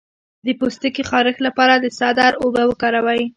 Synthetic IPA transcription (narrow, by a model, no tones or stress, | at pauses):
d̪əpost̪əkixɑɾəxlapɑɾad̪əsɑd̪ɑɾobawəkɑɾawaj